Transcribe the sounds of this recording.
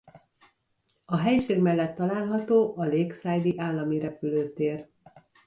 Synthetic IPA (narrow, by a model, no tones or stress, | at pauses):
ɒɦɛjʃeːɡmɛlːɛt̪ːɒlaːlɦɒt̪oːʔɒleːksaːjd̪iʔaːlːɒmiɾɛpyløːt̪eːr